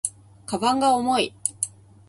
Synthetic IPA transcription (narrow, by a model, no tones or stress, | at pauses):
kabãŋɡaomo̞i